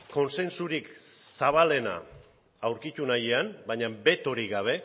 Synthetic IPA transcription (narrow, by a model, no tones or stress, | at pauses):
ko̞nse̞nsuɾiksaβ̞ale̞na̰ː | wɾkit̪unajeambaɲambe̞t̪o̞ɾiɣaβ̞e̞